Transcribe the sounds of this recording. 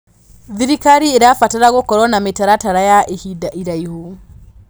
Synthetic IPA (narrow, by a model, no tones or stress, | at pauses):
ðiɾikaɾieɾafataɾaɣokɔɾɔnametaɾataɾajaʔehidaʔiɾaiho